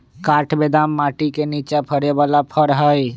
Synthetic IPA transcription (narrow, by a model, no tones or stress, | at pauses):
kaʈʰbed̪amːaʈikenit͡ʃapʰəɾebalapʰəɾɦəj